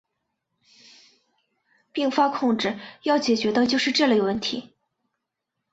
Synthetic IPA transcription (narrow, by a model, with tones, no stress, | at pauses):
pi˥˩ŋfa˥kʰʊ˥˧ŋʈ͡ʂɻ̩˥˩jɑ˥˩ʊt͡ɕjɛ˨˩t͡ɕɥɛ˧˥d̪ə˧t͡ɕjo˥˧ʊʂɻ̩˥˧ʈ͡ʂɤ˥˧li˥˩ɡə˧wə˥˩nt̪ʰḭ˧˥